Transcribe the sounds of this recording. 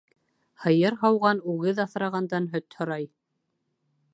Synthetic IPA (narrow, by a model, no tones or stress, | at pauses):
hɤ̆jɤɾɦɑwʁɑnuɣɘðɑθɾɑʁɑnd̪ɑnɦɵt̪hŏɾɑj